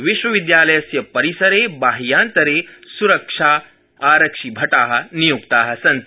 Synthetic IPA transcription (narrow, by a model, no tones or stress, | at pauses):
ʋiʃʋɐʋid̪jaːlɐjɐsjɐpɐɾisɐɾebaːɦijãːnt̪ɐɾeːsuɾɐkʂaː | aːɾɐkʂibʱɐʈaːɦɐ̆nijukt̪aːɦɐ̆sɐ̃nt̪